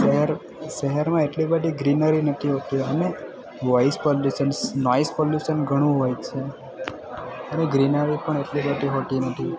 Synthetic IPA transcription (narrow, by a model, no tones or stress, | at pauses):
eɦɛɾ | ʃəɦəɾmãeʈlibəʈiɡɾinəɾinət̪ʰiɦot̪iə̰ne | ʋɔjspɔljuʃənsnɔjspɔljuʃənɡʱəɽ̃ũɦojt͡ʃʰe | əneɡɾinəɾipəɳeʈlibəʈiɦot̪inət̪ʰi